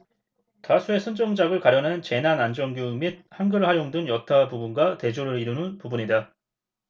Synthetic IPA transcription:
tasʰue̞sʰɯnd͡ʑʌŋd͡ʑaɡɯɭkaɾjʌnant͡ɕe̞nanand͡ʑʌŋɡjumid̚hanɡɯɭhajoŋdɯnjʌtʰabubunɡwate̞d͡ʑoɾɯɾiɾunɯnpubuɲida

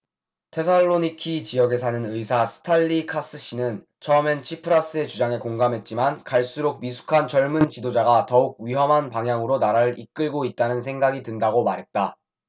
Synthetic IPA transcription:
tʰe̞s̬ʰaɭːoɲikʰit͡ɕijʌɡe̞s̬ʰanɯnɯisʰasʰɯ̥tʰaʎːikʰas͈ɯɕ͈inɯn | t͡ɕʰʌment͡ɕʰipʰɯɾas͈ɯe̞t͡ɕud͡ʑaŋe̞koŋɡamɦe̞t̚t͡ɕ͈imankaɭs͈uɾok̚mis̬ʰu̥kʰant͡ɕʌɭmɯnt͡ɕidod͡ʑaɡatʌuk̚ɥiɦʌmɦanpaŋjaŋɯɾonaɾaɾɯik͈ɯɭɡoit̚t͈anɯns̬ʰe̞ŋɡaɡitɯndaɡomaɾɦe̞t̚t͈a

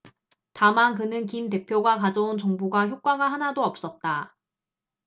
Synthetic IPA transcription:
tamankɯnɯnkimt̬e̞pʰjoɡakad͡ʑʌunt͡ɕʌŋbuɡaçjok͈̚aɡaɦanadoʌp̚s͈ʌt̚t͈a

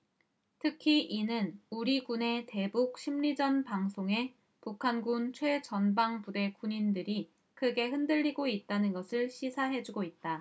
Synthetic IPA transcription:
tʰɯkʰiʔinɯnuɾiɡune̞te̞buk̚ɕ͈ʰimʎid͡ʑʌnpaŋsʰoŋe̞ | pukʰanɡunt͡ɕʰwe̞t͡ɕʌnbaŋpude̞kuɲindɯɾi | kɯɡe̞hɯndɯʎːiɡoit̚t͈anɯnɡʌsʰɯɭɕʰisʰaɦe̞d͡ʑuɡoit̚t͈a

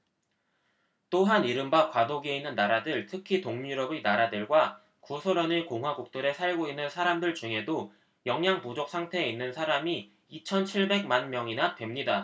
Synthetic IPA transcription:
t͈oɦaniɾɯmbakwadoɡieinːɯnːaɾadɯɭtʰɯkʰitoŋɲuuɾʌbinaɾadɯɭɡwa | kusʰoɾʌniɭkoŋɦwaɡuk̚t͈ɯɾe̞sʰaɭɡoinːɯnsʰaɾamdɯɭt͡ɕuŋɦe̞do | jʌŋjaŋpud͡ʑok̚s͈ʰaŋtʰe̞ːinːɯnsʰaɾami | it͡ɕʰʌnt͡ɕʰiɭbe̞ɡ̚manmjʌŋinapwe̞mɲida

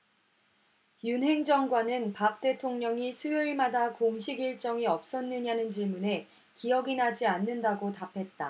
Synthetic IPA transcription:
junɦe̞ŋd͡ʑʌŋɡwanɯnpap̚t͈e̞tʰoŋɲʌŋisʰujɯɭmadakoŋɕʰiɡiɭt͡ɕ͈ʌŋiʌp̚s͈ʌnːɯɲanɯnt͡ɕiɭmune̞ | kiʌɡinɦad͡ʑianːɯndaɡotapʰe̞t̚t͈a̰

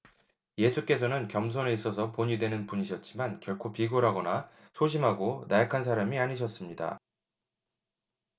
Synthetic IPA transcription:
je̞sʰuk͈e̞sʰʌnɯnkjʌms̬ʰoneis͈ʌsʰʌpoɲidwe̞nɯnpuɲiɕʰʌt̚t͡ɕ͈imankjʌɭkʰopiɡoɾɦaɡʌna | sʰoɕ̬ʰimɦaɡonajakʰans̬ʰaɾamiaɲiɕʰʌs͈ɯmɲida̰

